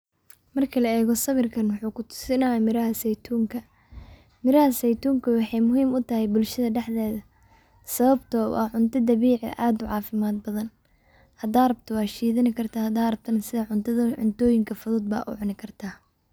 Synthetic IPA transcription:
mɐrkʰɐlɐɛːɣɔsɐβɪrkʰɐnwɑħuːkʰʊt̪ʰʊ̥sɪnɐjamɪɾɐɦɐsɛjt̪ʰuːŋkʰɐ | mɪɾɐhɐsɛjt̪uːŋkʰɐwɑħɑjmʊɦiːmʊt̪ʰɐhɛjbʊlʃɐðɐɖɛħðɛːðɐ | sɐβɐbt̪ʰɔ̰ʔɐʕʊnt̪ʰɐd̪ɐβiːʕɪ̰ʔaːd̪ʊʕɑːfɪmaːd̪̚bɐðɐn | hɐd̪aːrɐbt̪ʰɔwɑːʃiːðɪnɪkʰɐrt̪ʰɐhɐd̪aːrɐb̚t̪ʰɐnɐsɪðɐʕʊnt̪ʰɐðɐʕʊnt̪ʰɔːjɪŋkʰɐfʊðuːd̪̚ba̰ːʔʊ̰ʕʊnɪkʰɐrt̪ʰaː

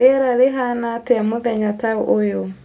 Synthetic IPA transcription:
eɛɾaleɦanateamoðɛɲataoʔojo

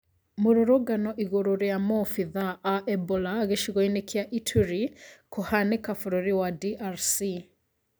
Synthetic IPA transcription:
moɾoɾoɡanɔʔiɣoɾoɾeamɔfiðaʔːʔɛbɔlaɣeʃiɣɔinekʰeaʔitʰuɾikohanekafoɾoɾiwadiʔaɾsi

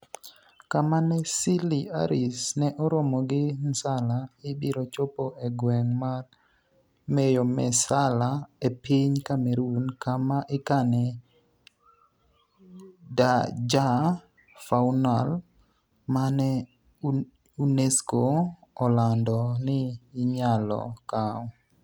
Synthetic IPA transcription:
kamanɛsilia̰ɾɪsnɛʔɔɾɔmɔɡɪnsalaɪbiɾɔt͡ʃopoʔeɡwɛŋmar | mejɔmɛ̰salaepiɲkamɛɾunkamaʔɪkanɛ | dad͡ʒa | faunal | manɛ | uneskoːlandɔnɪːɲalɔ̰kaɔ

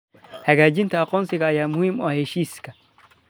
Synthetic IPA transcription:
hɐɣaːd͡ʒɪnt̪ʰɐːqʼɔːnsɪɣɐːjaːmʊhiːmɔ̰ahɛʃiːskʰɐ

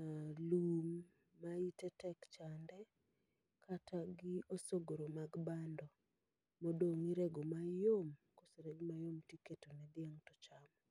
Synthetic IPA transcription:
alumː | aitɛtɛkt͡ʃandɛ | kʰatʰaɡɪosoɡoɾomaɡbandɔ | modoŋiɾɛɡomajomkoseɾɛɡmajomtiketonɛd̪ɪaŋtɔt͡ʃamɔ

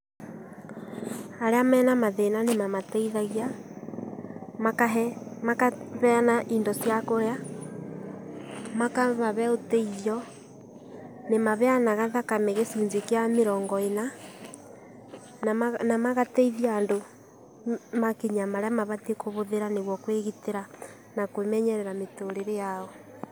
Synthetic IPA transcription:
aɾeamɛːnamaðenanemamatɛiðaɣia | maamakaβɛanaʔindɔsjakoja | makamaβɛotɛiðjɔ | nemaβeanaɣaðakameɣesuːɲzekeameɾɔːŋɡɔena | namaɣatɛiðiando | makiɲamaɾeamaβatiekoβoðeɾaneɣwɔkweɣiteɾa | nakwemɛɲɛɾɛɾametoɾeɾejaɔ

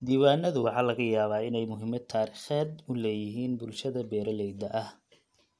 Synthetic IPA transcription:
d̪iːwaːnːɐðʊwɑħɑːlɐɣɐjaːβaːɪnɛjmʊɦɪmɐd̪̚t̪ʰaːɾiːχaːd̪ʊlɛːjɪɦiːnbʊlʃɐðɐbɛːɾɐlɛjd̪ɐʔɐh

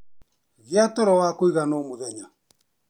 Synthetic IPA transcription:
vjatɔɾɔwakoiɣanɔmoðɛɲa

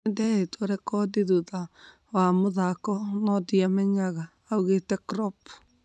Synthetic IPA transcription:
ndɛetʰoɾɛkɔdiðuða | wamoðakɔnɔdiamɛɲaɣaːuɣetɛkɾɔp

